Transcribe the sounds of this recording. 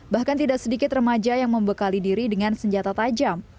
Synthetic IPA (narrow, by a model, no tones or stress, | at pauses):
bahkant̪idaʔk̚sədikɪt̪rəmad͡ʒajaŋməmbəkalidiɾidəŋansəɲd͡ʒat̪at̪ad͡ʒam